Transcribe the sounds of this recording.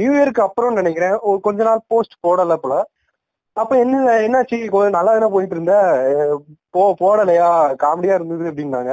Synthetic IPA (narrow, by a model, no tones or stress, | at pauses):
njuːjɐɾkːɯɐpːɯɾɔ̃nɐnɐkːɪɾẽːɔɾɯkɔɲd͡ʒɔnaːlpoːsʈpoːɽɐlːɐpːɔlaː | ɐpːõɛnːɐlːɐɛnːaːʈt͡ʃːikonɐlːaːɛnːɐp̬oːjɪʈːɯɾɯnd̪a | poːpoːɽɐlːɐjaːkaːmɽɪjaːɪɾɯnd̪ɯðɯɐpːɐɽɪnɾaːŋɡɐ